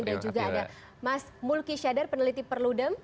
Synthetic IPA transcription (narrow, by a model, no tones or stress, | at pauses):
ŋdand͡ʒuɡaːda | mas | mulkiʃadarpənəlit̪ipərludəm